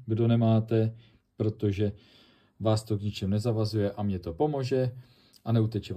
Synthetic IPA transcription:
ɡdo̞nɛmaːt̪ɛ | pɾo̞t̪o̞ʒɛ | vaːst̪o̞ɡɲɪt͡ʃɛmnɛzavazujɛʔamɲɛt̪o̞po̞moʒɛ | ʔanɛut̪ɛt͡ʃɛ

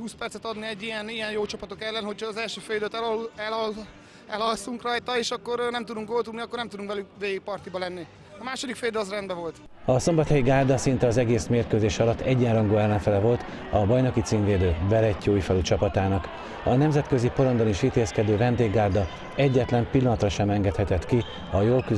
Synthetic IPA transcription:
huːspɛrsɛt̪ɒd̪niɛɟːijɛnijɛnjoːt͡ʃɒpɒt̪o̞kɛlːɛnho̞cʰhɒːzɛlʃøːføjd̪øt̪ɛɛlɒ | ɛlɒlsuŋkrɒjt̪ɒeːʃɒkːo̞rnɛmt̪ud̪uŋkɡo̞lt̪ub̪niɒkːo̞rnɛmt̪ud̪uŋkvɛlykveːɡik̚pɒrt̪ibɒlɛnːi | ɒmaːʃo̞d̪ikfejd̪ølɒzrɛnd̪bɛvo̞lt̪ɒso̞mbɒt̪hɛjiɡaːrd̪ɒsint̪ɛɒzɛɡeːsmeːrkøːzeːʃɒlɒt̪ːɛɟːɛnrɒŋɡoːɛlːɛɱfɛlɛvo̞lt̪ | ɒbɒjno̞kit̪siːnveːd̪øːvɛɾɛcːoːjifɛlyt͡ʃɒpɒt̪aːnɒk | ɒnɛmzɛt̪̚kø̞zipo̞ɾo̞nd̪oniʃit̪eːskɛd̪øːvɛnd̪eːɡːaːrd̪ɒ | ɛɟːɛt̪lɛmpilːɒnɒt̪rɒʃɛmɛŋɡɛt̪hɛt̪ɛt̪ki | ɒjoːlky

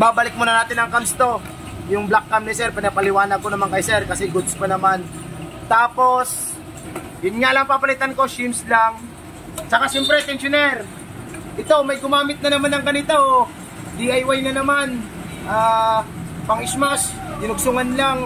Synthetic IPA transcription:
baːbɐlɪk̚monɐnaːt̪ɪnɐŋkamst̪o̞ | jʊŋblakːamnɪsɛɾpɪnɐpɐlɪwaːnɐɡ̚konɐmaŋkɐjsɛɾkɐsɛɡʊd̪skonɐmant̪aːpo̞s | jʊnŋaʔlɐŋpapɐlɪt̪anko̞ʃimslaŋ | sɐkasɛmpɾɛt̪ɛnsonɛɾ | ʔɪt̪o̞mɐjɡʊmaːmɪt̪̚nɐnɐmanɐŋɡɐnɪt̪o | d̪iʔɐjwajnɐnɐmanʔaː | pɐŋʔɪsmasd̪ɪnʊɡ̚sʊŋɐnlaŋ

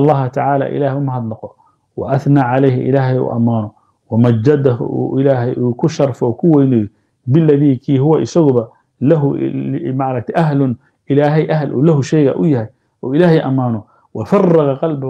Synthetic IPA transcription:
lˤːɑːɦɐt̪ʰɐʕaːla̰ːʔɪ̰laːhɛjʊmɐɦɑd̪lɐqɔ | wɑ̰ʔɐθnaːʕalɛjɦɪ̰ʔɪ̰laːɦɛjṵːʔɐmːaːnɔ | wɐmɐd͡ʒːɐd̪ɐɦʊ̰ʔṵːʔɪlaːɦɛjʔuːkʰʊʃɑrˤfɔkʰʊwɛjnɪj | bɪlːɐðiːkʰiːɦʊwɐʔɪsɐɣʊβɐ | lɐɦʊ̰maʕɾɐk̚t̪ʰɛʔɐɦlʊn | ʔɪlaːɦɛjʔɐɦlʔṵːlɐɦʊʃɛjɣɐ̰ʔʊjɐɦɛj | ʔɔːɪlaːɦɛjʔɐ̰mːaːnɔ | wɑfɑrˤːɑɣɑqɑlbʊh

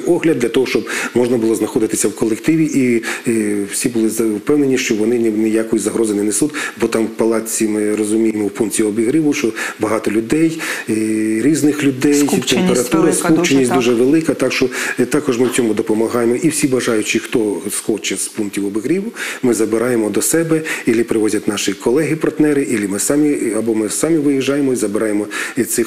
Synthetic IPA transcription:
ɔɦlʲɐd̪ʲlʲɐt̪ɔɦɔʃt͡ʃɔbmɔʒnɐbʊlˠɔznɐxɔd̪ɪt̪ɪsʲɐwkɔlˠekt̪ɪʋʲiʔi | wsʲibʊlˠɪzɐwpɛwnenʲiʃt͡ʃɔʋɔnɪnnɛjakɔjizɐɦɾɔzɪnɛnesut̪ʲbɔt̪ɑmwpɐlˠɑt͡sʲimɪrɔzʊmʲijemɔwpunktʲiɔbʲiɦɾʲiʋʊʃt͡ʃɔbɐɦɑt̪ɔlʲʊd̪ɛj | ɾʲiznɪxlʲʊd̪ɛjt̪empeɾɐt̪uɾɐskkupt͡ʃenʲːisʲd̪uʒɛʋelˠɪkɐt̪ɑkʃt͡ʃɔt̪ɑkɔʒmɪwt͡sʲɔmʊd̪ɔpɔmɐɦɑjemɔʔiwsʲibɐʒɑjʊt͡ʃixt̪ɔskɔt͡ʃɛspunk̚tʲiwɔbʲɪɣɾʲiʋʊmɪzɐbɪɾɑjemɔd̪ɔsɛbɛilʲipɾɪʋɔzʲɐt̪ʲnɑʃɪkʰɔlˠɛɦɪpɐrt̪nɛɾɪʔilʲimɪsɑmʲiɐbɔmɪsɑmʲiʋɪjiʒːɑjemɔizɐbɪɾɑjemɔit̪sɪx

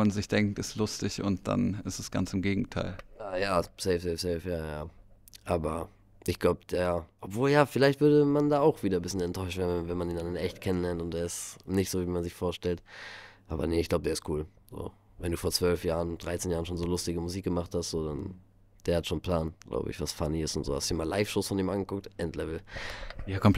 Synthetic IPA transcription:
manzɪçd̥ɛŋk̚tɪstlʊstɪçʊnt̚d̥a̰nɪstɛsɡ̥a̰nt͡sɪmɡeːɡŋ̩tʰaɪljaːjaːz̥ɛɪfzɛɪfz̥ɛfjaːjaː | ʔaːbɐ | ʔɪçɡ̥laʊbəd̥eːʔɔpv̥oːljaːfɪlaɪçtv̥ʏɐdəmandaːaʊxv̥iːdɐbɪsçənɛntʰɔʏʃtv̥eːvɛnmandiːndanɪnʔɛçtkʰɛnənlɛɐntʊntd̥eːɐɪstnɪçtz̥oːviːmanzɪçfoːɐʃtɛltʔaːbɐ̰nəɪçɡ̥laʊbədeːɐɪstkʰuːl | zo̰ː | vɛnduːfoːɐt͡sv̥œlfjaːʁənd̥ʁaɪt͡seːnjaːʁənʃoːnzoːlʊstɪɡəmʊziːk̚ɡ̥əmaχthastz̥oːdan | d̥eːɐhatʃoːnpʰl̥aːnɡ̥lʔa̰ʊbə̰ɪçv̥asfaniɪstʊntz̥oːhastd̥iːɐmaːlaɪfʃoːsfɔniːmʔanɡəkʰʊk̚tʔɛntlɛvl̩jakʰɔmp

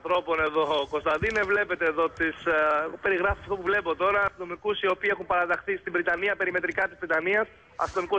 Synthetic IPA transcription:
θɾo̞po̞ne̞ðo̞ːko̞st̪ɐðinevle̞pe̞t̪eːðo̞t̪iseɣope̞ɾiɣɾɐfisɐft̪opuvle̞po̞t̪o̞ɾɐːst̪ino̞mikusio̞piːexumpɐɾɐðɐxθist̪ibɾit̪ɐniɐpe̞ɾime̞t̪ɾikɐt̪izvɾit̪ɐniɐs | ɐ̰st̪ino̞miku

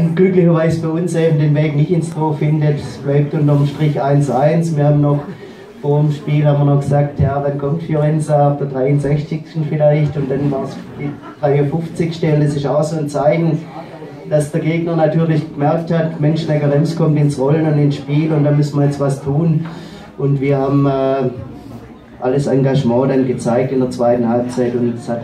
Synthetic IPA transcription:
nɡ̥lʏklɪçɐvaɪzəb̥aɪʊnsʔeːbm̩deːnveːknɪçtɪnstʁoːfɪndətsb̥laɪp̚tʊntɐmʃtʁ̥ɪçʔaɪnsʔaɪnsmiːɐhaːbmnɔχ | foːɐɪmʃpiːlhaːmɐnɔχɡ̥əz̥aːk̚tjaːvankʰɔmtfjoʁɛnzaafd̥eːɐdʁaɪʊnzɛçt͡sɪkstn̩fɪlaɪçtʊnd̥anvaːɐsd̥iː | d̥ʁaɪʊfʊft͡sɪçʃtɛlədɐsɪʃaʊxsoːnt͡saɪçn̩ | d̥asd̥əɐɡeːɡnənatʰyːɐlɪçɡ̥əmɛɐk̚thatmɛnʃnɛɡəʁɛmskʰɔmtɪnsʁɔlənʊndɪnsʃpiːlʊntd̥anmʏsn̩mɐjɛt͡stv̥astʰuːn | ʔʊntv̥iːɐhaːbm̩ɛː | ʔaləsaŋɡaʒmɑ̃ːdanɡət͡saɪk̚tɪndeəɐt͡sv̥aɪtn̩halp̚t͡saɪtʊntshat

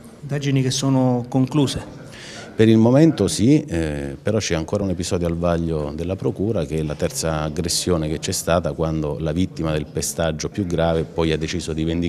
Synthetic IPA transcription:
ind̪aːd͡ʒinikesːoːnokoŋkluːse | peɾilmoment̪osipeɾɔt͡ʃːɛaŋkoːɾaunepizɔːd̪joalvaʎːod̪elːapɾokuːɾak̟eɛlat̪ɛrt̪saːɡɾesːjoːneket͡ʃːɛst̪aːt̪akwand̪olavit̪ːimad̪elpest̪ad͡ʒːopjuɡːɾaːvepːɔjad̪ːet͡ʃiːzod̪ivend̪i

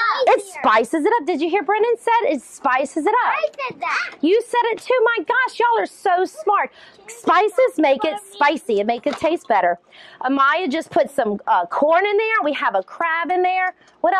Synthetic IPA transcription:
ɨtspaɪsɨzɨɾʌp̚d̥ɨd͡ʒɨɦiɹbɹɪ̃nɨ̃nsɛɾɪtspaɪsɨzɨɾʌpɛd̚jɨsɛɾɨtʰʉmaɪɡɑʃjɔlˠə˞soʊsmɑɹt̚ | spaɪsɨzmeɪkɨtspaɪsiɨt̚meɪkɨtʰeɪst̚b̥ɛɾə˞ | ʔəmaɪɨd͡ʒʌspʰʊtsʌ̃mʌkʰɔɹnɨ̃nðə˞wiəvəkʰɹ̥æbɨ̃nðə˞ | wʌɾ

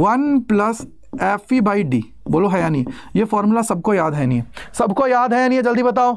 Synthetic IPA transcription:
ʋɐnplɐs | eːfibaːiɖḭː | boːloɦɛjaːniejeːfɔːɾmulasɐb̚kojaːd̪ɦɛniɦesɐbʱkojaːd̪ɦɛjaːnĩed͡ʒɐld̪ibɐt̪̬aːoː

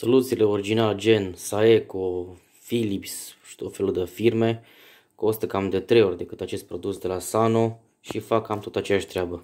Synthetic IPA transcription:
so̞lut̪sile̞oɾid͡ʒinald͡ʒe̞nsae̞ko | filipsʃi̥t̪ot̪fe̞lud̪əfirme̞ | ko̞st̪əkamd̪et̪ɾe̞jo̞rʲd̪e̞kɨt̪at͡ʃe̞st̪̚pɾod̪usd̪e̞lasano̞ | ʃifakamt̪o̞t̪at͡ʃe̞jaʃt̪ɾeabə

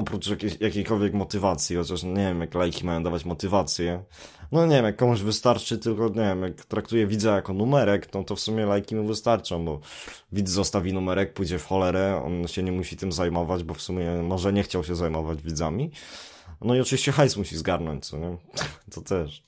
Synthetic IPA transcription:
ɔpɾut͡ʂjakʲejakʲejkɔlvʲjɛkmɔt̪ɘvat̪sʲjixɔt͡ɕaʂɲɛvʲɛmjaklajkʲimajɔ̃d̪avat͡ɕmɔt̪ɘvat̪sʲjɛ | nɔɲɛvʲɛmjakːɔmuʑvɘst̪aɾt͡ʂɘt̪ɘlkɔɲevʲjɛmjakt̪ɾakt̪ujɛvʲid̪zajakɔnumɛɾɛkt̪ɔt̪ɔfsumʲjɛlajkʲimuvɘst̪aɾt͡ʂɔ̃w̃bɔ | vʲid̪zːɔst̪avʲinumɛɾɛk̚pujd͡ʑɛfxɔlɛɾɛɔ̰nɕɛɲɛmuɕit̪ɘmzajmɔvad͡ʑbɔfsumʲɛmɔʐɛɲɛxt͡ɕawɕɛzajmɔvad͡ʑvʲid̪zamʲi | nɔiɔt͡ʂɨvʲiɕt͡ɕɛxajsmuɕizɡaɾnɔɲt͡ɕt̪sɔɲɛt̪ɔt̪ɛʂ

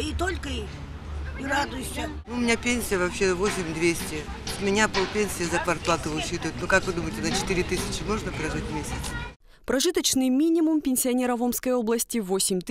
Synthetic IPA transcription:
it̪olʲkəi | iɾad̪ʊsʲɪmnuʊmʲɪnʲapʲenʲsʲɪjəvɐpɕːevosʲɪmʲd̪vʲesʲtʲɪ | ʊmʲɪnʲapopʲenʲsʲɪjəzɐpɐrplˠat̪ɨvɨʊɕit̪vʊɪt̪nukakvɨd̪uməjɪtʲɪnət͡ɕɪ̥t̪ɨɾʲɪt̪ɨsʲɪ̥t͡ɕɪmo̞ʐnəpɾɐʐɨtʲmʲesʲət̪s | pɾɐʐɨt̪ət͡ɕnɨjmʲinʲɪmʊmpʲɪnʲsʲɪɐnʲeɾəvomskəjo̞blˠəsʲtʲɪvosʲɪmʲt̪

